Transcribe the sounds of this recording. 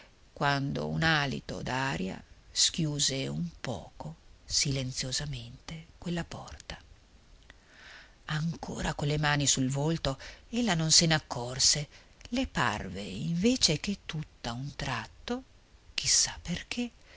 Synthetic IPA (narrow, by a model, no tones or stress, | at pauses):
kwand̪o̰ṵnaːlḭt̪o̰d̪aːɾja̰skjuːzeumpɔ̰ːkosilent̪sjozament̪ekwelːapɔrt̪ḁ | aŋkʰo̰ːɾakolːemaːnisulvolt̪oelːanonsenakʰːɔrse | lepa̰rvḛiɱveːt͡ʃeket̪ːut̪ːaunt̪ɾat̪ːo | kisːḁpːerk̟ʰe